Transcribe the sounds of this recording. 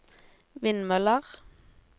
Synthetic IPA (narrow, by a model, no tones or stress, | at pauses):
ʋɪnmœləʁ